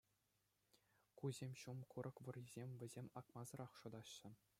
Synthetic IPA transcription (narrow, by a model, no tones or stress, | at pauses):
kuzʲemʲɕumkuɾʔɤ̆kʋɤ̆rʲizʲemʲʋʲɘ̆zʲemʲɑkmɑzɤ̆rɑχʂŏd̪ɑɕːɘ̆